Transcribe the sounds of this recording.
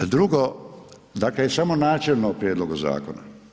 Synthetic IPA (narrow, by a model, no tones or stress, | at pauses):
d̪ɾuɡo | d̪aklejesamonaːt͡ʃelˠnopɾjeːd̪loɡuza̰ːkona̰